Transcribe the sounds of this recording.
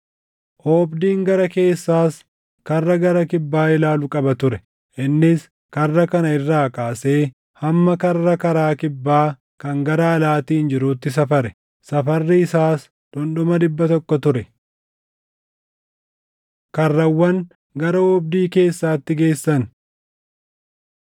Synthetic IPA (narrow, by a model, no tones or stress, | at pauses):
ʔoːbd̪iːŋɡɐɾɐke̞ːsːaːs | kɐrːɐɡɐɾɐkɪbːaːɪlaːlʊkʼɐbɐt̪ʊɾɛ | ʔɪnːɪs | kɐrːɐkɐnɐɪrːaːkaːse̞ː | hɐmːɐkɐrːɐkɐɾaːkɪbːaː | kɐŋɡɐɾaːlaːt̪iːnd͡ʒɪɾuːt̪ːɪs̬ɐfɐɾɛ | sɐfɐrːɪɪsaːs | d̪̥ɔnɗɔmɐd̪ɪbːɐt̪ɔkːɔt̪ʊɾɛ | kɐrːɐwːɐn | ɡɐɾɐɔb̚d̪iːke̞ːsːaːt̪ːɪɡe̞ːsːɐn